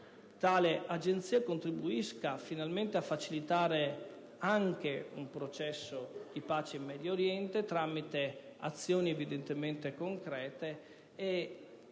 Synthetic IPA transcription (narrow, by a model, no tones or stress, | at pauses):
t̪aːleʔad͡ʒent̪siːakont̪ɾibuiskafinalment̪eafːat͡ʃilit̪aːɾe | aŋk̟eumpɾot͡ʃɛsːod̪̥ipaːt͡ʃeimːɛd̪joːɾjɛnt̪et̪ɾamit̪ea̰t̪sːjoːnievid̪ent̪ement̪ekoŋkɾɛːt̪eː